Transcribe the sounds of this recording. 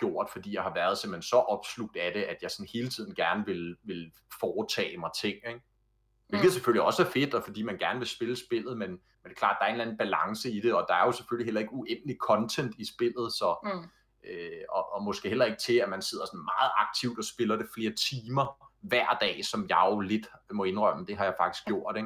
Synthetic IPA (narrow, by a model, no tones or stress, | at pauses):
ɡ̥jo̝ɐ̰d̥fɒ̽d̥ḭjɑ̈ɪhɑ̈ʋæɐð̞̩ˠse̝m̥hensɒ̽ʔɒ̽b̥sluɡ̥̚d̥æɾ̥e̝ʔæd̥jɑ̈ɪsɒ̽n̩he̝ːlət͡sʰið̰ˠn̩ɡ̥æɐnəʋe̝lʋe̝l | fɒːt͡sʰɛ̰ːmɑ̈ɪt͡sʰe̝ŋ̰eɡ̥ | ʋelɡ̥ð̩ˠæse̥føliɒ̽səæɐfe̝d̥ɒ̽fɒ̽d̥ḭːmænɡ̥æɐnəʋe̝sb̥e̝ləsb̥e̝l̰ð̩ˠmenmend̥e̝ːkʰlɑ̰̈ːd̥ɑ̈ɐe̝nlæn̩b̥ælɑ̈ŋsəid̥e̝ɒ̽d̥ɑ̈æɐjo̝se̥føl̰ihel̰ɐe̝ɡ̥əuʔenəlikʰɒ̽nt͡sʰend̥isb̥e̝l̰ð̞̩ˠsɒ̽ | øɒ̽ʔːmɔ̽sɡ̥e̝ːhelɐe̝ɡ̥t͡sʰe̝æmænse̝ð̰ˠɐsɒ̽n̩mɑ̈ːð̞̩ˠɑ̈ɡ̥̚t͡sʰiʊ̰d̥ɒ̽sb̥e̝lɐɾ̥e̝fle̝ːɐt͡sʰiːmɐʋæɐ̰d̥ɛ̰ːsɒ̽mjɑ̈ɪole̝d̥mɒ̽e̝nʁɶm̰əd̥e̝ɦɑ̈jɑ̈ɪfɑ̈ɡ̥isɡ̥jo̝ɐ̰d̥e